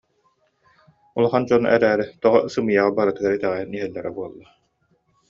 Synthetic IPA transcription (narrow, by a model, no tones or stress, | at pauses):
ulˠaχand͡ʑɔnɛ̰ɾæːɾit̪ɔʁɔsɯmɯjaʁabaɾɯt̪ɯɡaɾit̪ɛʁɛjɯniɦɛlːɛɾɛbuɔlˠːa